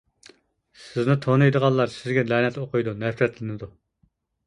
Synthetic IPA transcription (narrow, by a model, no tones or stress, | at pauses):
sɪznɪt̪ʰonɨjd̪əʁɑlˠːɑɾsɪzɡʲɛlɛːnɛt̪oqʰʊjd̪unɛfɾɛt̪lɪnɪd̪u